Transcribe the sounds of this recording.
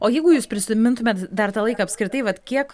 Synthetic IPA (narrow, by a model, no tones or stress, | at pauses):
oːjɛɪɡʊjuːspʲɾʲɪsʲɪmʲɪnt̪ʊmʲeɛːt̪d̪ɐrt̪ɑːlˠɐɪkɐːɐpʲskɾʲɪt̪ɐɪʋɐt̪kʲiɛk